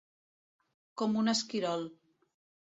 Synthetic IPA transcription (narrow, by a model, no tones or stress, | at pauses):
kɔmunəskiɾɔlˠ